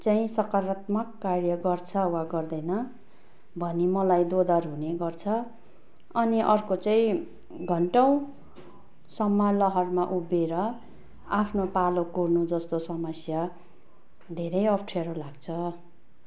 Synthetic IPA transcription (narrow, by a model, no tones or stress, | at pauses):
t͡saĩsʌkaɾat̪mʌkːarjʌɡʌrt͡sʰʌwaɡʌrd̪ʌjnʌ | bʱʌnimʌlajd̪od̪ʌrɦuneɡʌrt͡sʰʌ | ʌniʔʌrkot͡saĩ | ɡʱʌɳʈʌw̃ | sʌmːʌlʌɦʌrmaʔubeɾʌ | apʰnopalokurnud͡zʌst̪osʌmʌsja | d̪ʱeɾʌjʌpʰʈʰaɾolaɡt͡sʰʌ